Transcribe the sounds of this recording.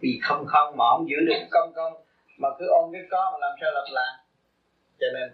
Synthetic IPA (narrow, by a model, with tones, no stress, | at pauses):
vi˨˩xə˧wŋ͡mxə˧wŋ͡mmɔ̰˧˩˦zɨ̰˧˥lɨ̰˨˩ə˦kə˧wŋ͡mkə˧wŋ͡m | maː˨˩k̪ɨ˨˦ʔo˧nvi˦˥t̚kɔ˨˦ma˨˩laː˨˩msaː˧wlaː˨˩mlaː˨˩ | t͡ɕɔ˧ne˧n